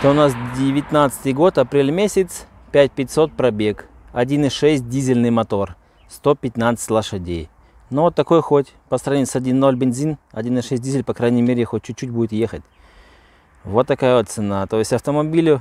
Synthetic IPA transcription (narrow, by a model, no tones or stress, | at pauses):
t̪oʊnasdʲɪvʲɪt̪nat̪sɨ̥t̪ɨjɡo̞t̪ɐpɾʲelʲmʲesʲɪt̪s | pʲæt̚ʲpʲɪtʲso̞t̪̚pɾɐbʲe̞k | ɐdʲinɨʂɛsʲt̚ʲdʲizʲɪlʲnɨjmɐt̪o̞r | st̪o̞pʲɪt̪nat̪sɨ̥tʲlˠəʂɐdʲej | novot̪ːɐko̞jxo̞tʲpəsɾɐvnʲisɐdʲinːo̞lʲbʲɪnzʲinɐdʲinɨʂɛs̚ʲdʲizʲɪlʲpɐkɾajnʲɪjmʲeɾʲɪxot̚ʲt͡ɕːʊːutʲbudʲɪt̪jexətʲ | vo̞t̪ːɐkajəvot̪sɨnat̪o̞ɪsʲtʲɐft̪əmɐbʲilʲʊ